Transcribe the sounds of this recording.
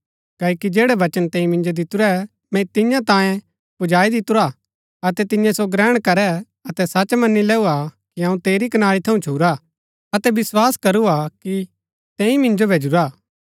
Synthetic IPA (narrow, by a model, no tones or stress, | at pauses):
kɛːikid͡ʒeːɽɛʋɐt͡ʃənt̪ɛ̃ːĩmɪ̃nd͡ʒod̪ɪt̪uɾɛ | mɛ̃t̪ɪjãt̪ãːjẽ | pʊd͡ʒaːid̪ɪt̪ʊɾa | ɐt̪ɛt̪ɪ̃jãsoɡɾɛːɽ̃kɐɾɛ | ɐt̪ɛsɐt͡ʃmɐnːilɛːuakiɐũt̪eːɾikɐnaːɽit̪ʰɐũt͡ʃʰuːɾa | ɐt̪ɛbɪswaːskɐɾuaki | t̪ɛ̃ːĩmɪ̃nd͡ʒobʱeːd͡ʒuɾa